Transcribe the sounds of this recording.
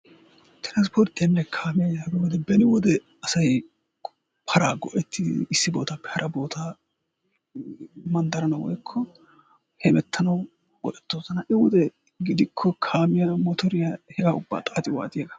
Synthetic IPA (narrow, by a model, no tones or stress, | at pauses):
t̪ɪɾɐnspʰɔɾt̪ːɪjɐnːɛkʰaːmɪjɐjaːɡɐwɔd̪ɛbɛnɪwɔd̪ɛ | ɐsɐj | pʰɐɾaːɡɔʔɛt̪ʰːɪɪsːɪbo̞ːt̪apːɛ̥hɐɾʔɐbo̞ːt̪aː | mɐnd̪ɐɾɐnɐwɔ̰jkʰːɔ | hɛmɛt̪ʰːɐnɐw | bɔ̰ʔɛt̪ːoːzɐnɐʔɛwɔd̪ɛ | ɡɪd̪ɪkʰːɔkʰaːmɪjɐmɔt̪ʰɔɾɪjahɛɡaːʊbːa̰ːt̪ʼaːt̪ʼɪwa̰ːt̪ʼɪjɐɡɐ̥